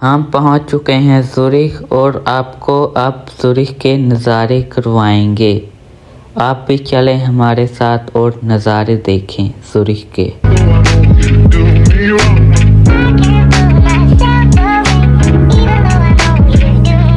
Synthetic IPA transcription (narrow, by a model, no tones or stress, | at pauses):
ɦɐmpɐɦʊ̃t͡ʃt͡ʃʊkeɦɛ̃zʊɾɪkɔːɾaːpkoʔɐpz̥ʊɾɪkkenɐzaːɾekɐɾʋaːẽːŋɡeː | aːp̚bʱit͡ʃɐlẽɦɐmaːɾesaːt̪ʰɔːɾnɐzaːɾed̪eːkʰẽːz̥ʊɾɪhkḛː